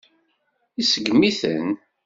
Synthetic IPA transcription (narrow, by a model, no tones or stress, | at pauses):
isəɡmiθə̰n